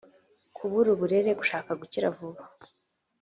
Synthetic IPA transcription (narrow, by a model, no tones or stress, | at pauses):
kʰuβuɾuβuɾe̞ɾe̞ɡuʃaːkaɡuciɾavuβḁ